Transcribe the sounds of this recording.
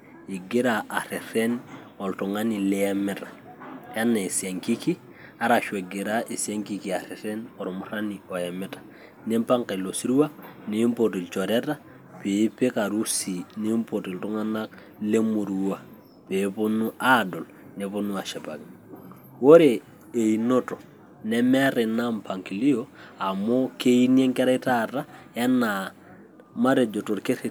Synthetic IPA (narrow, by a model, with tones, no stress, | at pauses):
i˨ɡi˦ɾaʔa˨ɾe˨ɾe˦n | o˨ltu˨ŋani˨le˦ame˦tḁ˨ja˦nːa˨i˨sia˨ŋki˦ki˦ | a˦ɾa˨ʃe˨ɡe˨ɾa˦ʔi˨sia˦ŋki˨ki˨a˨ɾe˨ɾe˦no˨ɾomuɾa˦nio˨je˨me˦tḁ˨ | ne˦mpa˦ŋke˨lo˨si˦ɾu˦wa˦ne˦mpoti˨lt͡ʃo˨ɾe˦ta˦ | pe˨˦pe˦ka˨ɾu˦si˨ne˦mpo˨ti˨ltu˦ŋa˦na˦k̚ | le˦mu˨ɾuwa˦ | pe˨˦po˦nu˦ʔa˦do˨l | ne˨˦po˦nu˦a˨ʃɛ˨pa̰˨ki˨ | wo˦ɾeː˨ | i˨no˦to˨ | nɛ˦mɛ˦ɾe˨na˦mpa˨ŋki˨li˦oa˨mo˦ke˦i˦nje˦ŋkɛ˦ɾa˦ita˦ta˦ja˦na˨ | ma˦ɾe˨d͡ʒo˨to˨ɾke˦ɾi˨